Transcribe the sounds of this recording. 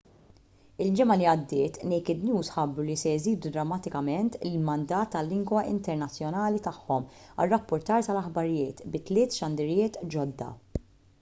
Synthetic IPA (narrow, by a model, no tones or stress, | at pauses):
ɪld͡ʒɪmɐliɐd̪ːɪːt̪nɛjkɪd̪njuːsħɐbːɾulisɛjziːd̪ud̪ɾɐmːɐt̪ɪkɐmɛnt̪ɪlmɐnd̪ɐːt̪ːɐlːɪŋɡwɐʔɪ̰nt̪ɛɾnɐt͡sːjɔnɐːlit̪ɐħːɔmɐ̰rːɐpːʊɾt̪ɐːɾt̪ɐlɐħbɐɾɪjɪːt̪bɪt̪lɪːt̪ʃɐnd̪ɪɾɪjɪːt̪d͡ʒɔd̪ːɐ̰